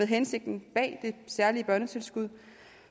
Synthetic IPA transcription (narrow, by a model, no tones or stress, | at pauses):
eðˠɦense̝ɡ̥̚d̥n̩b̥ɛ̰ːd̥e̝sæɐliəb̥ɶɐnət͡sʰe̝lsɡ̥uð̞̰ˠ